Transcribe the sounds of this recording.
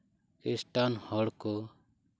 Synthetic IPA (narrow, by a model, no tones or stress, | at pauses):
esʈanhɔɽkɔ